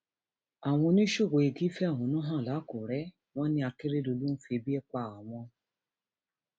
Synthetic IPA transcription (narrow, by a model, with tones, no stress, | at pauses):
a˨w̃ɔ̃˧nĩ˦ʃo˦˨ɡo˨˧e˧ɡi˦fɛ˦a˦˨w̃ɔ̃˨˧nũ˦ɦã˦˨la˨˦ko˨ɾɛ˦ | w̃ɔ̃˦nĩ˦a˧ke˦ɾe˦do˧lu˦n̩˦fi˧e˧bi˦ɛ˦k͡pa˦˨a˨w̃ɔ̃˧